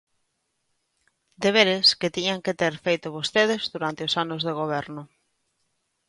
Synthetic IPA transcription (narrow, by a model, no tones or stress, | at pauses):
d̪eβ̞eɾeskɪt̪iɲaŋkɪt̪eɾfejt̪ʊβost̪eðɪzðuɾant̪ɪosanozðeɣ̞oβ̞ɛɾnʊ